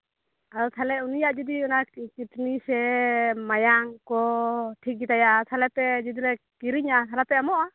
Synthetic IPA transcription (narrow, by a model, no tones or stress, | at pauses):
aɾɔt̪ʰalɛunijaʔd͡ʒid̪iɔnakiʈnisɛmajaŋkɔʈʰik̚ɡit̪ajat̪ʰalɛpɛd͡ʒid̪iɾɛ | kiɾiɲasʰalapɛamɔʔa